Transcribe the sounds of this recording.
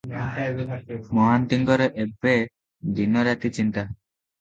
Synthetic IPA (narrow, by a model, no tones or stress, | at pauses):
mɔɦant̪iŋɡɔɾɔʔebe | d̪inɔɾjat̪it͡ʃint̪a